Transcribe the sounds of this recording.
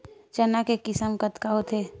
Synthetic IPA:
t͡ʃənakekɪsəmkət̪kaɦot̪ʰeː

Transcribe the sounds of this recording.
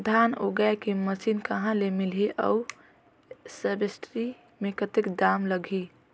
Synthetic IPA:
d̪ʱanoɡajkeməsinkəɦãlemilɦeʔə̰u | səbesʈɾi | mẽkət̪ekd̪amləɡʱi

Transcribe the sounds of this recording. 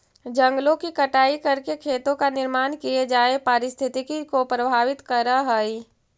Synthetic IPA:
d͡ʒə̃ŋɡlõkikɐʈaːikɐɾkekʰeːt̪õkanɪɾmaːnkied͡ʒaːepaːɾɪst̪ʰɪt̪ikikopɾəbʱaːʋɪt̪kəɾaɦɛi

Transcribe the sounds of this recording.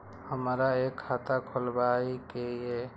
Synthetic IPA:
həmɾaekʰːat̪akʰolbaikee

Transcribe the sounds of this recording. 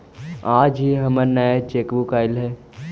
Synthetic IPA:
aːd͡ʒɦiɦɐmənəjet͡ʃeːkbukaːɪlɦɛː

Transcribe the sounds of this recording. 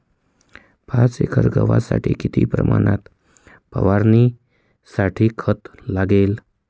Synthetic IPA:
pãt͡sekʰəɾɡəʋasaʈʰiːkit̪ʰiːpɾəmanat̪ | pəʋaɾni | saʈʰiːkʰət̪laɡel

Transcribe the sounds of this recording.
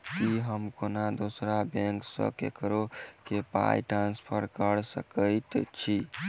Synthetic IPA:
kiɦəmkonad̪osɾabɛ̃ŋksə̰kḛkɾokepa̰jʈɾanspʰəɾkəɾsəkəjt̪t͡ʃʰi

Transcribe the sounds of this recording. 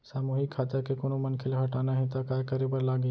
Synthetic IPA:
saːmuːɦikʰːaːt̪akekonomɐnkʰɪlaɦɐʈaːnaɦɛt̪akakɐɾibəɾlaːɡi

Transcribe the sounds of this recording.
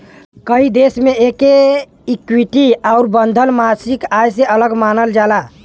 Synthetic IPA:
kəid̪esmeeke | ikwiʈiaʊɾbənd̪ʱəlmasikajseələɡmanəld͡ʒala

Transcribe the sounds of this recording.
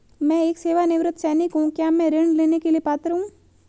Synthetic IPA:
mɛ̃eːkseːʋanɪʋɾɪt̪ʰsɛːnɪkɦũkjaːmɛ̃ɾɪɳɖleːnekeliepaːt̪ɾəɦũː

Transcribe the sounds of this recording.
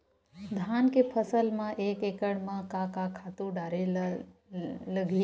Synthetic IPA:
d̪ʱaːnkepʰəsəlmãʔeːkeːkəɽmãkãkakʰat̪uɖaːɾe | ləɡʱi

